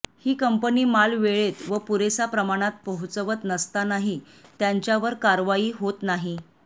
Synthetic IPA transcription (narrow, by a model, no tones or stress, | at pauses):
hiːkəmpəniːmalʋeɭet̪ʋəpuɾesapɾəmaɽ̃at̪̚pəɦut͡səʋət̪nəst̪anaɦi | t̪jaɲt͡ɕjaʋəɾkaɾʋaiːɦot̪naɦi